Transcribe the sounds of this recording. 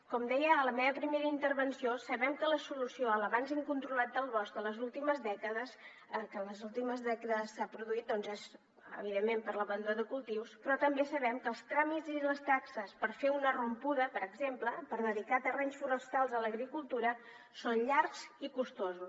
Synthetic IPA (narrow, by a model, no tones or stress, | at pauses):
kɔmd̪ɛjəːləmeβəpɾimeɾəint̪əɾβənsiosəβɛmkələsulusioələβanziŋkunt̪ɾulat̪̚d̪əlˠβɔsd̪ələzulˠt̪iməzðɛkəðəs | əkələzulˠt̪iməzðɛkəðəsːapɾuðuit̪̚d̪ɔnzez | ə̰β̞iðemːempəɾləβənd̪uəðəkulˠt̪iwspɾɔt̪əmbesəβɛmkəlˠst̪ɾamiziləst̪aksəspəɾfeunərumpuðəpəɾəɡzempləpəɾðəðikat̪ərɛɲsfuɾəst̪alˠzələɣɾikulˠt̪uɾə | sonʎaɾkz̥ikust̪ozus